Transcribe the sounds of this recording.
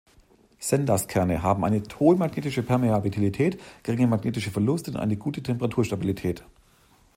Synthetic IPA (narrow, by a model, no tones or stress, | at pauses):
z̥ɛndɐskʰɛɐnəɦaːbm̩ʔa̰ɪnətʰoːlmaɡneːtɪʃəpʰɛɐmeabitʰilitʰɛːtɡ̥əʁɪŋəmaɡneːtɪʃəfɛɐlʊstʊnʔa̰ɪnəɡuːtətʰɛmpəʁatʰuːɐʃtabilitʰɛːt